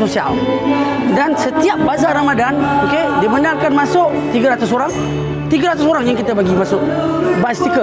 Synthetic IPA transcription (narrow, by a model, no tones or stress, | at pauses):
sosia̰l | dansət̪iap̚bazaɾamadanokedibənaŋkanmasʊʔt̪iɡaɾat̪ʊsoɾaŋ | t̪iɡaɾat̪ʊsoɾaŋjaŋkit̪abaɡimasʊʔ | bast̪ikə